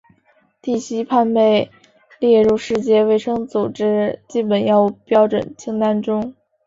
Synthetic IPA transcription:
t̪i˥˩ɕi˥pʰa˥˧npe˥˧ɪ | ljɛ˥˧ɻu˥˧ʂɻ̩˥˧t͡ɕjɛ˥˧we˥˩ɪʂɤ˥ŋt͡su˨˩ʈ͡ʂɻ̩˥t͡ɕi˥˩p̬ə˨˩njɑ˥˧ʊu˥˩pjɑ˥ʊʈ͡ʂwə̰˨˩nt͡ɕʰi˥ŋt̪a˥nʈ͡ʂʊ˥ŋ

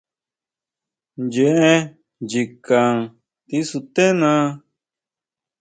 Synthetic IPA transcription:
njẽ˧˨ʔẽ˦ | d͡ʒi˨kã˨ŋ | t̪i˦su˧t̪ẽ˦nã˧˦

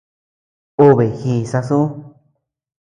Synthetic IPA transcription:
o˦βe˨hi˧˨sa˧sũ˦

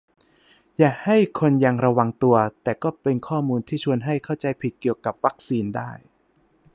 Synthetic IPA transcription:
jaː˨˩ha˥˩jkʰo˧nja˧ŋɾa˧wa˧ŋt̪u˧ɐt̪ɛː˨˩kɔː˥˩pe˧nkʰɔː˥˩muː˧nt̪ʰiː˥˩t͡ɕʰu˧ənɦa˥˩jkʰa˥˩wt͡ɕa˧jpʰi˨˩t̪̚ki˨˩əwka˨˩p̚wa˦˥k̚siː˧ndaː˥˩j

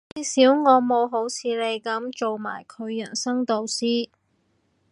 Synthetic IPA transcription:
iː˨siː˨˥wŋɔː˨˧mo˨˧wɦo˨˥wt͡sʰiː˨˧le˨˧jkɐ˨˧˥mt͡ʃo˨wma̰ː˨˩jkʰɵ˨˧ɥjɐ˨˩nsɐ˥ŋt̪o˨˧wsiː˥

